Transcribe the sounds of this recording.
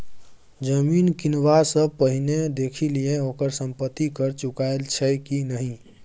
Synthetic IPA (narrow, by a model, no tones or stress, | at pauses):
d͡ʒəminkinwasə̃pəɦined̪ekʰilijẽokəɾsəmpət̪ːikəɾt͡ʃukaelt͡ʃʰɛkinəɦĩ